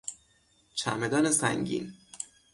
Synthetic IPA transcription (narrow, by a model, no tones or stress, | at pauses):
t͡ʃʰæ̰med̪ɒːnesæ̰ŋɡɟḭːn